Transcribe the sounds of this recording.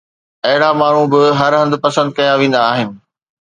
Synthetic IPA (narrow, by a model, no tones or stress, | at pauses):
ɐɦɪɽamaːɳ̤ũbɪɦɐɾɦɐ̃nd̪pɐsə̃nd̪̚kɐjaʋẽːnd̪aːɦɪnɪ̆